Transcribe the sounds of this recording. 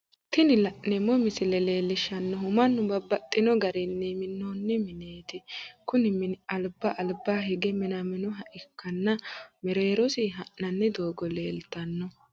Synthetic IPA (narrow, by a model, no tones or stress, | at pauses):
t̪ɪnɪlɐʔnɛmɔmɪsɪlɛle̞ːlːɪʃɐnːɔɦʊmɐnːʊbɐbːɐt̪ʼːɪnɔɡɐɾɪnːɛmɪnːoːnːɛmɪneːt̪ɪkʊnɪmɪnɐlbːɐʔɐlbaːɦɛɡɛmɪnɐmɪnɔɦɐʔɪkʰːɐnːɐmɛɾe̞ːɾɔsɪɦɐʔnɐnːɛd̪oːɡɔleːlt̪ːɐnːɔ